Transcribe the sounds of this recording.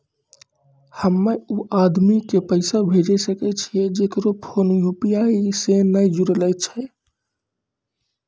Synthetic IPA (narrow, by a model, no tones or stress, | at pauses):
həmːeuʔad̪mikepəɪsabʱed͡ʒɛsəkɛt͡ʃʰijed͡ʒekəɾopʰonjupijaisenəjd͡ʒuɾələt͡ʃʰɛ